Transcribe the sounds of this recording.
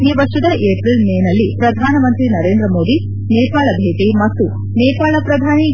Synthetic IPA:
ɡiʋɐʂud̪ɐʔeːpɾilmeːnɐlːipɾɐd̪ʱaːnɐmɐnt̪ɾinɐɾeːnd̪ɾɐmoːd̪i | neːpaːɭɐbʱeːʈimɐt̪ːu | neːpaːɭɐpɾɐd̪ʱaːni

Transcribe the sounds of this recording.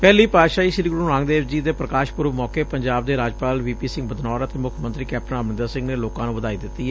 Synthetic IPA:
pɛːliːpaːʃaːiːʃɪɾiɡɾuːɾãːŋɡd̪eːʋd͡ʒiːd̪eːpɾəkaːʃpʊɾʋmɔːkeːpəɲd͡ʒaːb̚d̪eːɾaːd͡ʒpaːlʋiːpiːsɪ̃ŋɡbəd̪nɔːɾət̪eːmʊkʰmə̃nt̪ɾiːkɛːp̚ʈnaːmnɪnd̪aːsɪ̃ŋɡneːloːkãːnũːʋəd̪aːiːd̪ɪt̪ːiːɦɛ

